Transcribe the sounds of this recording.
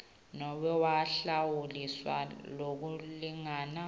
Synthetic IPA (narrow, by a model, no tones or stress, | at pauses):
nɔwɛwaɬawuliswa̰lok̬uliŋaːna